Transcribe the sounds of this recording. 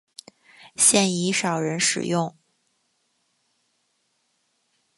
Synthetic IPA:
ɕjɛ˥˩ni˧˥ʂɑ˨˩ʊɻə˧˥nʂɻ̩̰˨˩jʊ˥˩ŋ

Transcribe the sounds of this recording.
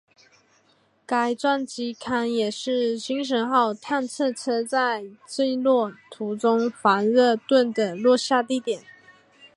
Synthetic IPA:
ka˧˥ɪt͡swa˥˩nt͡ɕi˧˥kʰa˧˥njɛ˨˩ʂɻ̩˥˩ɕi˥ŋʂ̬ə˧˥nxɑ˥˧ʊt̪ʰa˥˧nt͡sʰɤ˥˧t͡sʰɤ˥t͡sa˥˧ɪt͡se˥˧ɪlwɔ˥˩t̪ʰu˧˥t͡sʊ˥ŋfa˧˥nɻɤ˥˧t̪wə˥˩nd̪ə˩lwɔ˥˧ɕja˥˧t̪̬i˥˩t̪jɛ˨˩˦n

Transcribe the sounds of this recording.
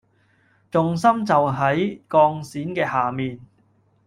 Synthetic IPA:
t͡sʊ˨ŋsɐ˥mt͡sɐ˨wɦɐ˨˥jkɔː˧ŋsiː˨˥nkɛː˧haː˨˩miː˨n

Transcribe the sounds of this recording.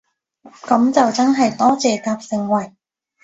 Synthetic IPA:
kɐ˨˥mt͡sɐ˨wt͡sɐ˥nɦɐ˨jt̪ɔː˥t͡sɛː˨kaː˧p̚sɪ˨˧ŋwɐ˨˩j

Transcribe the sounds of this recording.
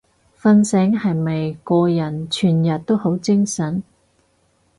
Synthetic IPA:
fɐ˧nsɛː˨˥ŋhɐ˨jmɐ˨jkɔː˧jɐ˨˩nt͡ʃʰyː˨˩njɐ˨t̚t̪o˥who˨˥wt͡sɪ˥ŋsɐ˨˥n

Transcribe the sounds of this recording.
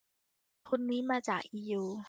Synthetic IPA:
kʰo˧nːiː˦˥maː˧t͡ɕaː˨˩k̚ʔiː˧juː˧

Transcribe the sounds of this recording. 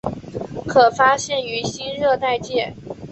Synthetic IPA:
kʰɤ˨˩fa˥ɕjɛ˥˩ny˧˥ɕi˥nɻɤ˥˧t̪a˥˧ɪt͡ɕjɛ˥˩

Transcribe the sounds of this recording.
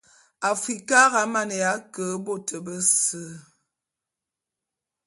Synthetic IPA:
a˨fɾi˨ka˦ɣa˨˦ma˦nə˨ja˨˦kə˨˦bo˦˨tʰə˨bə˦sə˦˨

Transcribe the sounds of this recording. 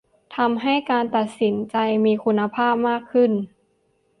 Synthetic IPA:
t̪ʰa˧mɦa˥˩jkaː˧nt̪a˨˩t̪̚si˩˦nt͡ɕa˧jmiː˧kʰu˧nːa˧pʰaː˥˩p̚maː˥˩kʰːɯ˥˩n

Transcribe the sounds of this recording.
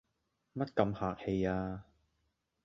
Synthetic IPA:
mɐ˥t̚kɐ˧mhaː˨k̚he˧jaː˧

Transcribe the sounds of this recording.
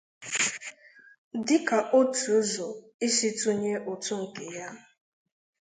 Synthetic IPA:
dɪ˦ka˨ʔo˦tu˨o˦zo˨ | i˦si˦tu˦ɲe˦ʔo˨tu˦ŋ̩˨ke˨ja˦

